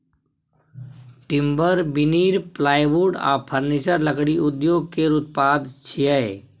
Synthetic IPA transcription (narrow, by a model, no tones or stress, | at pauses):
ʈɪ̃mbəɾbɪniːɾplaːjʋuɖa̰ːpʰəɾnit͡ʃəɾləkɽiʊd̪joːɡ̚keɾʊt̪̚paːd̪t͡ʃʰijɛ